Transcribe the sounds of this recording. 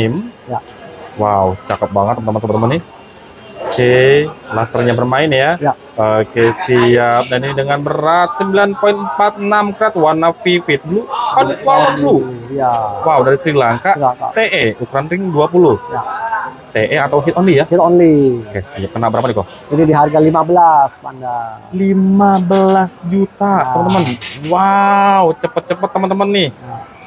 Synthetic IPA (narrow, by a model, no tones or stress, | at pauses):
mj | wawt͡ʃakəp̪̚baŋət̪̚ːət̪amas̬əpərt̪əmani | kelasərɲabərmaɪnja | əkesiap̚danidəŋanbəɾat̪̚səmbilanpoɪnpat̪̚namkɾat̪̚wanːafifɪt̪̚dulusə̥kadut̪ualad͡ʒu | wawdaɾisɾilaŋkaaŋka̰t̪eʔɛukɾanrɪŋduapulʊhjat̪eʔɛat̪awɦit̪ɔnlijait̪ɔnlika̰jsiakənaʔbəɾapanik̪ɔ̰ | inidiɦarɡalimabəlaspandalimabəlasd͡ʒut̪at̪əmənt̪əmənwawt͡ʃəpət̪̚t͡ʃəpət̪ːəmənt̪əmənːɪh